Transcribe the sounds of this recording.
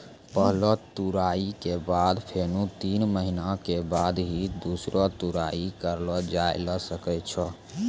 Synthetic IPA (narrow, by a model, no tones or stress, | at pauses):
pəɦlɔt̪uɾaikebad̪pʰenut̪inməɦinakebad̪ɦid̪usɾɔt̪uɾaikəɾlɔd͡ʒajləsəkɛt͡ʃʰɔ